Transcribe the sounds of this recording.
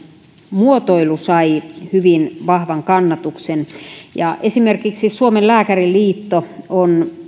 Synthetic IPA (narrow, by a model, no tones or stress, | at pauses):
muot̪oilusɑihyʋinʋɑhʋɑŋkɑnːɑt̪uksenjɑʔesimerkiksisuomellæːkæriliːt̪ːoon